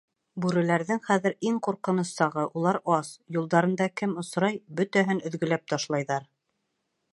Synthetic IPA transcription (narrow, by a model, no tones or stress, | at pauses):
bʉɾɘ̆læɾðɘŋχæðɘ̆ɾiŋquɾqɤ̆nɤ̆sːɑʁɤʔulˠɑɾɑsjulˠd̪ɑɾɤ̆nd̪ɑkɘmŏsɾɑjbɵt̪æɦɘnɵ̆ðɡɵ̆læp̚t̪ʰɑʃlˠɑjðɑɾ